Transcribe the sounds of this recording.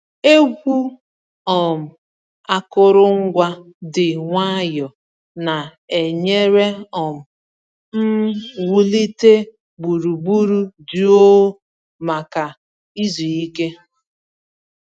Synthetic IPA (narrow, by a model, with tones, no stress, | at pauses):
e˦ɡʷu˦ | ɔ˨m̩˨ | a˦kʊ˦ɾʊ˦ŋ̩˦ɡʷa˦ | dɪ˨ŋʷa˦jɔ˨ | na˨ | e˨ɲe˦ɾe˦ɔ˨m̩˨ | m̩˦wu˦li˦te˦ | ɡ͡bu˨ɾu˨ɡ͡bu˦ɾu˦du˨o˦ | ma˨ka˨ | i˦zi˨i˦ke˦